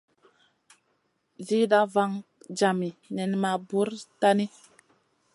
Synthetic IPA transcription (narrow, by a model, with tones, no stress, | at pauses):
vi˦da˦va˦ŋd͡ʒa˨mi˨nɛ˨nma˨bu˦ɾta˦ni˦